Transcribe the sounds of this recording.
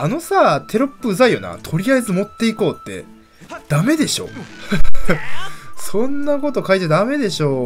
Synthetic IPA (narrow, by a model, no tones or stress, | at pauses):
ano̞saːt̪ʰe̞ɾopːɯɯ̟zaijo̞̰na̰t̪ʰo̞ɾʲiaizɨmo̞t̪ːe̞iko̞ːt̪ːe̞̰ | d̪̥ame̞d̪e̞ɕo̞̰ | sõ̞nːako̞t̪o̞kait̪ed̪ame̞d̪e̞ɕo̞ː